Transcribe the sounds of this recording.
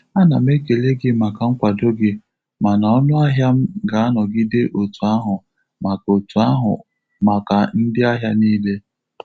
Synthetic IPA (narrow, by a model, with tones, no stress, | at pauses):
a˦na˨m̩˦e˦ke˨le˦ɡɪ˦ma˨ka˨ŋ̩˦kʷa˨do˦ɡɪ˦ | ma˨na˨ɔ˦nʊ˦a˦ɦja˦m̩˦ɡa˨a˦nɔ˨ɡɪ˦de˦ʔo˨tu˨a˦ɦʊ˨ | ma˨ko˨tu˨a˦ɦʊ̰˨ | ma˨ka˨n̩˦dɪ˦a˦ɦja˦niː˦le˦